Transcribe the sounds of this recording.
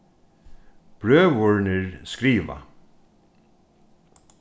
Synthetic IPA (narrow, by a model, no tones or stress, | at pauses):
b̥ɾøːʋɔɹnəɹskɾiːʋa̰